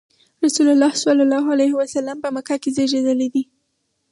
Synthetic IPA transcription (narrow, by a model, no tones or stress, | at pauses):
ɾasulalːɑhsalɑlɑɦalajhɪwasalːampəməkakezeʒed̪əled̪i